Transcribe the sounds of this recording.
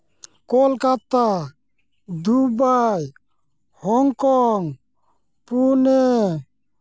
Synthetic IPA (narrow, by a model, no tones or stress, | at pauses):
kɔlkat̪a | d̪ubaj | hɔŋkɔŋ | pune